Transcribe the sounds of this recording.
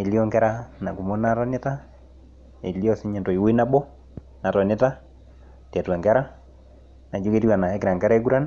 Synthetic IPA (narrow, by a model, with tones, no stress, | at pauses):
e˨lio˦ŋkɛ˦ɾa˦na˨ku˨mo˦nata˦ne˦ta˦ | ḛ˨li˦o˦si˦ɲe˨nto˨i˨we˦i˦na˦bɔ˦ | na˨tɔ˨ne˦ta˦ | tɛ˨twa˨ŋɡɛ˦ɾa˦ | na˨d͡ʒo˦ke˦tiwa˨na˨e˨˦ki˨ɾa˨ŋɡɛ˦ɾa˦e˦ku˦ɾa˦n